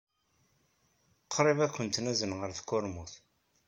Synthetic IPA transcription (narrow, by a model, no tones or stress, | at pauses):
qʰːɾˤevækʷːənt̪næzənʁəɾθkːʊɾmuθ